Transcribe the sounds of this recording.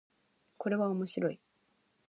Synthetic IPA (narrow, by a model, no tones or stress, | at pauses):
ko̞ɾe̞βaomo̞ɕiɾo̞i